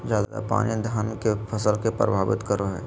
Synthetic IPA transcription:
d͡ʒjaːd̪d̪a̰pa̰ːnjd̪ʱaːnkepʰɐsəlkepɾə̰bʱaːbɪ̰t̪kəɾoɦɛː

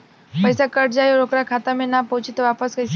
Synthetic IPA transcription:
pəjsakəʈd͡ʑajɾokɾakʰat̪amenapəwt͡ɕit̪ɔʋapəsɡəjs

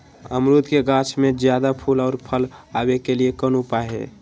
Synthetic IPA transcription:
əmɾut̪keɡãt͡ʃʰmẽd͡ʒjad̪apʰulɔːɾpʰəlabekeliekənupaɦḛ

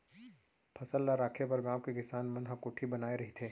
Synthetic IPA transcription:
pʰɐsəlːaɾaːkʰepɐɾɡãːwkekɪsaːnmɐnɦɐkʊːʈʰibɐnaːeɾɐɦit̪ʰeː

